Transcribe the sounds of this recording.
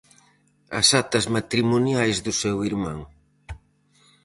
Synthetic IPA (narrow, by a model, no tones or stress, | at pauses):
ɐ̰sat̪ɐzmat̪ɾimunjajzðʊsɛwiɾmã̰ŋ